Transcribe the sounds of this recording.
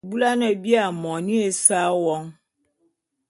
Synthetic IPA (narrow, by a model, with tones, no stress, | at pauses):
bu˦la˦nã˨bi˦a˨mɔ̃˨nĩ˦e˨sa˦wɔ˦ŋ